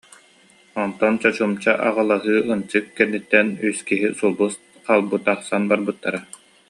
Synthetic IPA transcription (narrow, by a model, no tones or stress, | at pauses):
ɔnt̪ɔnt͡ɕɔt͡ɕumt͡ɕaʔaʁalˠaɦɯːɯnt͡ɕɯkːɛnːit̪ːɛnyskiɦisulˠbus | qaːlˠbut̪aχsanbaɾbɯt̪ːaɾa